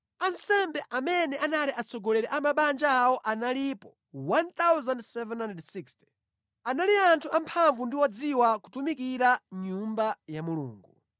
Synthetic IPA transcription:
ansɛmbɛʔamɛnɛʔanaliʔat͡sʰɔɡɔlɛɾɛʔamaɓand͡ʒaːwɔʔanalipɔ | want̪awzandsɛvɛnanddsikstɛ̥ | analiantʰuampʰaɱvundiwɔd͡ziwaku̥tumik̬iɾaɲumbajamulṵːŋɡu

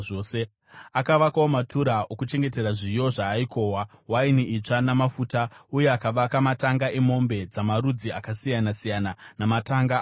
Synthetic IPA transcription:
ose | akaʋakaomatʰuɾaʔo̞kut͡ʃe̞ŋɡe̞te̞raʐijo̞ʐaːikʰo̞ːwawainiʔit͡ʂanamafutauje̞akaʋakamataŋɡaʔemo̞mbe̞d͡zamarud͡ziakasijanasijananamataŋɡa

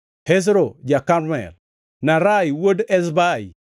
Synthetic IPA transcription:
hes̬ɾod͡ʒakaɾmɛ̰l | naɾajwodɛs̬bai

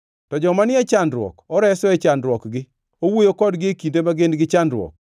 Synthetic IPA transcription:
tɔd͡ʒɔmanɪɛt͡ʃandɾwɔ̰kɔɾɛsɔɛt͡ʃandɾwɔkɡɪ | owojokɔdɡɪekindemaɡendɡɪt͡ʃandɾwɔ̰k̚

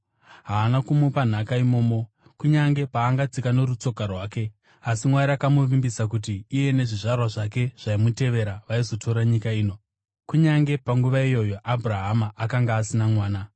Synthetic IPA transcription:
ɦaːnakumupan̤akaimo̞ːmo | kuɲaŋɡe̞paːŋɡat͡sikane̞rut͡so̞karwaːke̞ | asimwaɾiakamuʋimbisak̬ut̬iːje̞ne̞ʐiʐarwaʐake̞ʐ̥aimute̞ʋe̞ɾaʋaizo̞tʰo̞ɾaɲikaiːno̞ | kuɲaŋɡe̞paŋɡuʋaijo̞jo̞ʔabʱuraɦamaʔːkaŋɡaːsinamwaːna

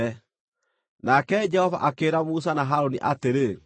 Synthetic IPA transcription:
nakɛd͡ʒɛhɔva̰ʔakeːɾamus̬anaɦaɾoniʔateɾe

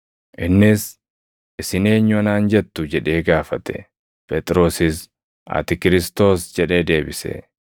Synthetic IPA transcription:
ʔɪnːɪs | ʔɪsɪne̞ːɲːʊɐnaːnd͡ʒɛt̪ːʊd͡ʒɛᶑe̞ːɡaːfɐt̪ɛ̥̰ | pʼɛt̪ʼɪɾo̞ːsɪs | ɐ̰t̪ɪkɪɾɪst̪o̞ːsd͡ʒɛᶑe̞ːd̪e̞ːbɪsḛ

